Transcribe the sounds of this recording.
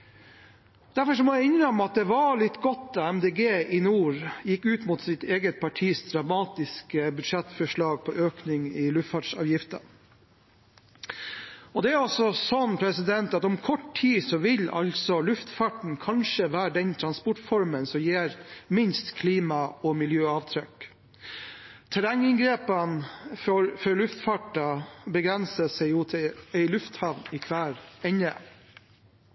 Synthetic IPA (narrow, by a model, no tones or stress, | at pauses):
d̪̥æɾfɔʂɔmɔæɪɪnɾəmɑt̪̚d̪ɛʋɑɭɪt̪ːɡɔt̪ːɑɛmd̪eːɡeːʔɪnuːɾjɪkːʉːt̪mut̪sɪt̪eːɡət̪̚pʰɑʈʰiːsd̪ɾɑmɑːt̪ɪskəbʉd̪ʂɛt̪fɔʂɭɑːɡ̚pʰɔʔøːknɪŋɪlʉft̪fɑːɖsɑ̰ːʋjɪft̪ə̰ | ɔd̪ɛæɾɔsɔsɔnːpʰɾɛsɪd̪ɛnt̪ɑt̪ɔmkʰɔʈtʰiːsɔʋɪlɑ̰lsɔlʉft̪fɑʈɳ̩kʰɑnʂəʋæːɖɛnt̪ʰɾɑnspɔʈfɔɾmənsɔmjeːɾmɪnst̪kʰliːmɑɔmɪljøːɑʋt̪ʰɾœk | t̪ʰæɾæŋɪŋɡɾeːpɑnfɾfœɾɭʉft̪fɑʈɑbəɡɾɛnsəsɛɪjuːt̪ʰɪæɪlʉft̪hɑʋnɪkʰʋæːɾɛɲə